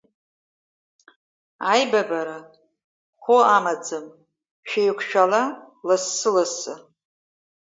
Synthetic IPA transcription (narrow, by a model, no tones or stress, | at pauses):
ajbabaɾa | χʷoamad͡zɨm | ʃᶣejkʷʰʃᶣala | lɨsːɨlasɨ